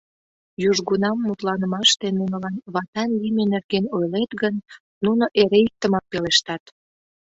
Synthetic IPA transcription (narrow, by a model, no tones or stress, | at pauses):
juʒɣunɑmːut̪lɑnəmɑʃt̪enunə̆lɑnβɑt̪ɑnlimenerɣenojlet̪ɣənː | unoʔeɾeik̚t̪əmɑk̚peleʃt̪ɑt̪